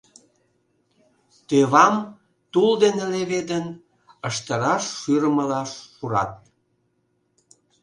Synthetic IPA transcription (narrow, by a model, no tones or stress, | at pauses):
t̪øβɑm | t̪uld̪eneleβed̪ən | əʃt̪əɾɑʃːyɾəməlɑʃːuɾɑ̰t̪̚